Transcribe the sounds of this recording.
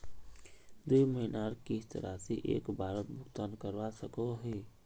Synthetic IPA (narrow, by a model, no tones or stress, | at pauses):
d̪uiməɦinaɾkist̪ə̰ɾa̰seʔḛːkbʱaːɾət̪̚bʱʊɡt̪aːnkəɾʋasəkoɦe